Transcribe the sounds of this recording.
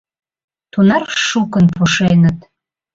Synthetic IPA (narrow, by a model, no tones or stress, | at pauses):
t̪unɑrʃukənpuʃenət̪